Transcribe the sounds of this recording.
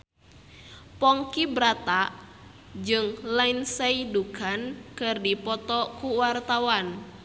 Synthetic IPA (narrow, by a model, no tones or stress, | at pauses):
pɔŋkibɾat̪a | d͡ʒɨŋlainseidukankɨrdipɔt̪ɔkuwart̪awan